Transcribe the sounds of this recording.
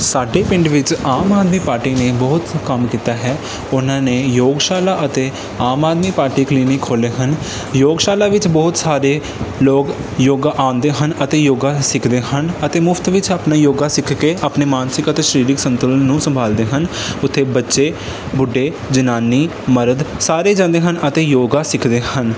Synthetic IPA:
saːɖeːpɪ̃ɳɖʋɪt͡ʃaːmaːd̪miːpaːɾʈiːneːbɔːʊt̪kəmkiːt̪aːɦɛː | ʊnãːneːjoːɡʃaːlaːʔət̪eː | aːmaːd̪miːpaːɾʈiːkliːnikʰːoːleːɦən | joːɡʃaːlaːʋɪt͡ʃbɔːt̪saːɾeː | loːɡ | joːɡaʔaːʊ̃nd̪eːɦənət̪eːjoːɡaːsɪkʰd̪eːɦənət̪eːmʊfʰt̪ʋɪt͡ʃaːpnaːjoːɡaːsɪkʰkeːaːpneːmaːnsɪkət̪eːʃəɾiːɾɪksə̃nt̪ʊlənnːũːsəmbʱaːld̪eːɦən | ʊt̪ʰːeːbətːʃeː | bʊɖːeː | d͡ʒənaːniː | məɾəd̪saːɾeːd͡ʒãːnd̪eːɦənət̪eːjoːɡaːsɪkʰd̪eːhən

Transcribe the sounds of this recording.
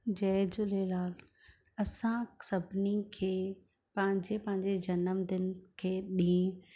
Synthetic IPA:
d͡ʑɛːd͡ʑʊlelaːl | ɐsãsɐbʱɪnikʰeː | pɐ̃ɦɪ̃ɲd͡ʑepɐ̃ɦɪ̃ɲd͡ʑed͡ʑɐnəmd̪ɪnkʰeːɗĩː

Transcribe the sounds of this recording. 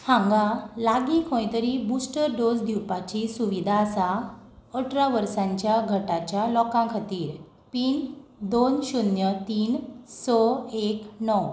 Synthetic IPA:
hãŋɡalaɡikʰõjt̪əɾiːbusʈəɾɖod͡zd̪ʱiwpat͡ɕisuʋid̪ʱasaəʈʰɾaʋəɾsãɲt͡ɕjaɡʱəʈat͡ɕjalɔkãkʰat̪iːɾ | piːnd̪onɕunjət̪iːnsɔeknɔw

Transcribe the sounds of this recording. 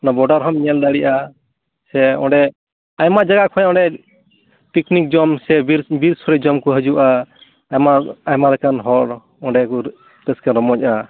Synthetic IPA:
nabɔɖaɾɦɔmɲɛld̪aɽiʔa | sɛɔ̰̃ɖɛ | ajmad͡ʒaɡakʰɔ̃jɔ̃ɳɖɛ | piknik̚d͡ʒɔmsɛbiɾbiɾsɔɾɛd͡ʒɔmkɔɦəd͡ʒuʔa | maajmaɾɛkanɦɔɽ | ɔɖɛku | t̪ɛskɛɾɔmɔc̚a

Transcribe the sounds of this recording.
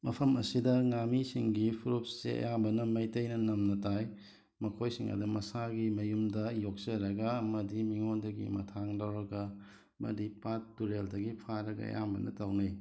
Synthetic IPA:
mɐpʰɐmɐsidɐŋamisiŋɡipʰuɾupsːḛɐ̰jambɐnɐmɐjtɐjnɐnɐmnɐtaj | mɐkʰojsiŋɐ̰dumɐsaɡimɐjumdɐjok̚sɐɾɐɡɐːmɐdimiŋondɐɡḭmɐ̰tʰaŋdɐwɾɐɡɐ | mɐ̰dipatːuɾeldɐɡipʰaɾɐɡɐ̰ɐ̰jambɐ̰nɐ̰tɐwnɐj

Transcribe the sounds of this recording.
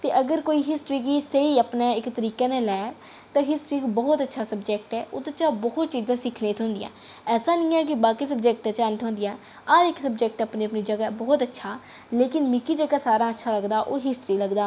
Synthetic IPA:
t̪eːʔəɡəɾkoːiːɦɪsʈɾiːkiːsəiːəpneːɪkt̪əɾiːkeːneːlɛː | t̪ãːɦɪsʈɾiːkibɔːt̪ətːʃʰaːsəbd͡ʒɛːk̚ʈɛːʊt̪ːt͡ʃaːbɔːt̪̚t͡ʃiːzãːsɪkʰnẽːt̪ʰõːnd̪ɪjã̰ːɛːsaːnĩːɛːk̬ɪbaːkiːs̬əbd͡ʒɛːk̚ʈɛ̃ːt͡ʃaːnt̪ɦõːnd̪ɪjaː | aɾɪksəbd͡ʒɛːk̚ʈəpniːəpniːd͡ʒəɡaːbɔːt̪ətːʃʰaː | leːkɪnmɪkiːd͡ʒəɡaːsaːɾãːətːʃʰaːləɡd̪aːʔoːɦɪsʈɾiːləɡd̪aː

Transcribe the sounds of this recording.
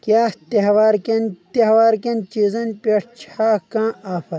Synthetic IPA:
kʲjaːt̪ehwaːɾkʲɐnt̪ehwaːɾkɐnt͡ɕizɐnpʲeʈʰt͡ɕʰaːkãːaːfɐ

